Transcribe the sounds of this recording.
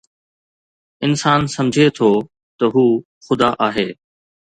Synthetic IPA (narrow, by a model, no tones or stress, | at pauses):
ɪnsaːnsɐ̃md͡ʑʱet̪ʰoː | t̪ɐɦuː | xʊd̪aʔaːɦeː